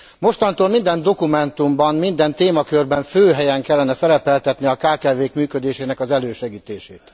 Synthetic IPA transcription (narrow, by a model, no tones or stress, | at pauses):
mo̞ʃt̪ɒnt̪oːlmind̪ɛnd̪o̞kumɛnt̪umbɒnmind̪ɛnt̪eːmɒkørbɛɱføːɦɛjɛŋkɛlːɛnɛsɛɾɛpɛlt̪ɛt̪niɒkaːkaːveːkmyːkød̪eːʃeːnɛkɒzɛløːʃɛɡiːt̪eːʃeːt̪